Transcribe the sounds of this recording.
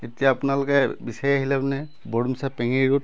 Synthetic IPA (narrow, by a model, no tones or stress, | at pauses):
etijaːpnaloɡɛbisajaɦilabnɛ | bɔɽumsapɛŋiɹut̚